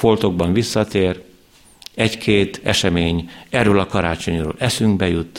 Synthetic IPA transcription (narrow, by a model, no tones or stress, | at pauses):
fo̞lt̪o̞ɡ̚bɒɱvisːɒt̪eːr | ɛckʰeːt̪ɛʃɛmeːɲɛrːøːlɒkɒɾaːt͡ʃo̞ɲro̰ːlʔɛsyŋɡbɛjut̪ː